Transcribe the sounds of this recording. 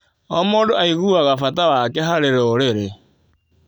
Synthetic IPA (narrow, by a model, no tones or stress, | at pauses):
ɔmoːndoaiɣuaɣafatawakɛɦaɾeɾoɾeɾe